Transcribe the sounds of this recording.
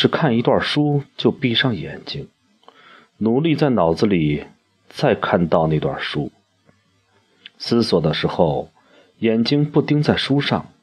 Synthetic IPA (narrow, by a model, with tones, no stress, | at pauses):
ʂɻ̩˥˧kʰa˥˩ni˧˥t̪wa˥˩ʂu˥t͡ɕjo˥˧ʊpi˥˧ʂɑ˥˩ŋjɛ̰˨˩nt͡ɕi˥ŋ | nu˧˥li˥˧t͡sa˥˩ɪnɑ˨˩ʊd͡zɹ̩˧li˨˩ | t͡sa˥˧ɪkʰa˥˧nt̪ɑ˥˧ʊne˥˩ɪt̪wa̰˥˩ʂu˥ | sɹ̩˥swɔ˨˩d̪ə˦ʂɻ̩˧˥xo˥˧˩ʊ | jɛ˨˩nt͡ɕi˥ŋpu˥˩t̪i˥ŋt͡sa˥˩ɪʂu˥ʂɑ˥˩ŋ